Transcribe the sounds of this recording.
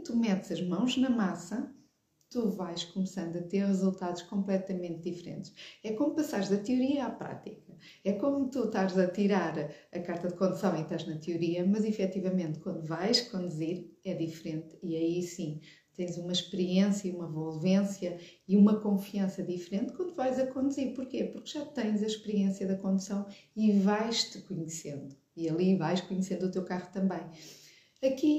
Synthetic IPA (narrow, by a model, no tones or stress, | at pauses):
t̪umɛt̪z̥ɐʒmɐ̃w̃ʒnɐmasɐ | t̪uvajʃkumsɐ̃nd̪uɐt̪eɾʁɨzulˠt̪aðuʃkõmplˠɛt̪ɐmẽnt̪̚d̪ifɾḛ̃nt̪ʃɛkomupɐsaɾʒðɐt̪juɾiɐapɾa̰t̪ikɐ | ɛkomut̪uʃt̪aɾzɐt̪iɾaɾɐkaɾt̪ɐðkwɐ̃nd̪usaβɐ̃j̃t̪aʒnɐt̪juɾiɐmɐzifɛt̪ivɐmẽnt̪kwɐ̃nd̪uvajʃkɐ̃nd̪ziɾɛðifɾẽnt̪iɐisĩ | t̪ɐ̃j̃zumɐʃpɨɾiẽsjɐiumɐvolˠvẽsjɐiumɐkõfiɐ̃sɐðifɾẽnt̪̚kwɐ̃nd̪uvajzɐkõnd̪uzeɾpuɾkepuɾkʒ̥at̪ɐ̃j̃zɐʃpɨɾiẽsjɐðɐkõnd̪usɐ̃w̃ivajʃt̪ɨ̥kuɲsẽnd̪uiɐlˠivajʃkuɲsẽnd̪ut̪ewkaʁut̪ɐ̃mbɐ̃j̃ | ɐki